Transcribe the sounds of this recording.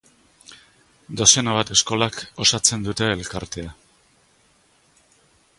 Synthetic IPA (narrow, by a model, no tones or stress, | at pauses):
d̪o̞senaβ̞at̪e̞sko̞lako̞sat͡se̞nd̪ut̪e̞ːlkaɾt̪e̞a